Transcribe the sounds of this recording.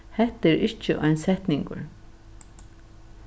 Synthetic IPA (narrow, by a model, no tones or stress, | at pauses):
hɛht̪ɪɾɪt͡ʃːəʔɔ̰ɪnsɛht̪nɪŋkʊ̰ɾ